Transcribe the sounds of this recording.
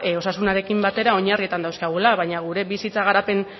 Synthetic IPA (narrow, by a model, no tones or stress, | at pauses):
o̞sasunaɾe̞kimbat̪e̞ɾao̞ɲarit̪and̪awskaɣ̞ulaβaɲaɣ̞uɾe̞βisit͡saɣ̞aɾape̞n